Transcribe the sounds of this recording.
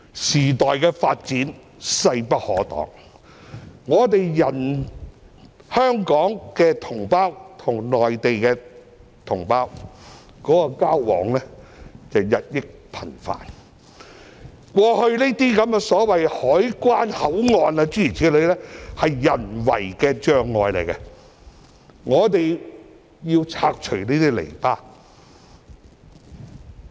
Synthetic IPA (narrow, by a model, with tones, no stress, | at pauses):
siː˨˩t̪ɔː˨jkɛː˧faː˧t̚t͡siː˨˥n | sɐ˧jpɐ˥t̚hɔ̰ː˨˥t̪ɔ̰ː˨˥ŋ | ŋɔː˨˧t̪̬e˨jjɐ˨˩n | hœː˥ŋkɔː˨˥ŋkɛː˧t̪ʰʊ˨˩ŋpaː˥wt̪ʰʊ˨˩ŋnɔː˨jt̪e˨jkɛː˧ | t̪ʰʊ˨˩ŋpaː˥w | kɔː˨˥kɔ˧kaː˥wwɔ̰ː˨˥ŋlɛː˥t͡sɐ˨wjɐ˨t̚jɪ˥k̚pʰɐ˨˩nfa̰ː˨n | kʷɔː˧hɵ˧ɥniː˥t̪iː˥kɐ˨˥mɛ˧sɔː˨˥wɐ˨jhɔː˨˥jkʷwaː˥nhɐ˨˥wŋɔː˨naː˧t͡syː˥i˨˩t͡sʰi˨˧˥lɵ˨ɥlɛː˥hɐ˨jːɐ˨˩nwɐ̰˨˩jkɛː˧t͡ʃœː˨˧ŋːɔː˨˧jlḛ˨˩jkɛ˧˥ | ŋɔː˨˧t̪e˨j | jiː˧wt͡sʰaː˧k̚t͡ʃʰɵ˨˩ɥneː˥t̪iː˥lḛ˨˩jpaː˥